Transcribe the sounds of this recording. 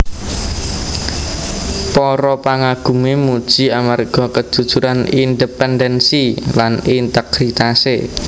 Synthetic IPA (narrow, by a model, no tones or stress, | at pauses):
pɔɾɔpaŋaɡ̥ṳmemud̥ʒ̥iamarɡ̥ɔ̤kəd̥ʒ̥ṳd̥ʒ̥uɾanind̪epɛnd̪ɛnsilanint̪ɛkɾit̪ase